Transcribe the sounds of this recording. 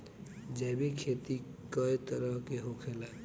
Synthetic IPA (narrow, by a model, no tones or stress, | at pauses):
d͡ʒeːbʱikʰeːt̪i | kəet̪əɾəɦkeɦokʰela